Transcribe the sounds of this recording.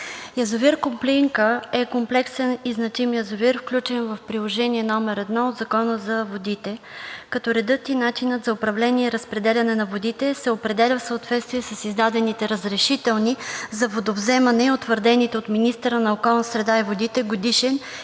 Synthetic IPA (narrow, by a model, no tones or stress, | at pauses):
jɐzoviɾkompliŋkəɛkomplɛksɛniznɐt͡ʃimjəzoviɾfklʲut͡ʃɛnvəfpɾilˠoʒɛniɛnɔmɛɾɛd̪nɔod̪zɐkɔnəzɐvod̪it̪ɛkɐt̪ɔɾɛd̪ɤt̪inat͡ʃinət̪zɐopɾɐvlɛniɛiɾəspɾɛd̪ɛlʲɐnɛnɐvod̪it̪ɛsɛopɾɛd̪ɛlʲəfsəot̪vɛt̪st̪viɛsəsizd̪ad̪ɛnit̪ɛɾəzɾɛʃit̪ɛlˠnizɐvod̪ovzɛmɐnɛot̪vəɾd̪ɛnit̪ɛot̪minist̪əɾənɐokɔlˠnəsɾɛd̪aɛvod̪it̪ɛɡod̪iʃɛn